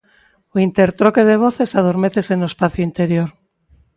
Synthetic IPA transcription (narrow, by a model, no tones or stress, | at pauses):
oint̪eɾt̪ɾoke̞ð̞e̞β̞o̞θe̞sað̞oɾmeθe̞senospaθjoint̪e̞ɾjoɾ